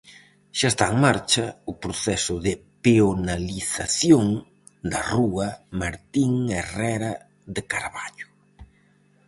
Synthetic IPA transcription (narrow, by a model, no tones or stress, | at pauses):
ʃaest̪aeŋmaɾt͡ʃɐʊpɾoθɛsʊðɪpeonaliθaθjoŋ | d̪ɐruɐmaɾt̪iŋerɛɾɐ | ðekaɾβaʎʊ̥